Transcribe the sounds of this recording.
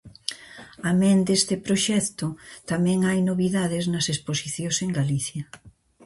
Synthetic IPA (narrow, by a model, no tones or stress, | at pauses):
amẽnd̪est̪ɪpɾoʃɛkt̪ʊt̪amɛ̃ŋajnoβiðaðɪznɐsesposiθjoseŋɡaliθjɐ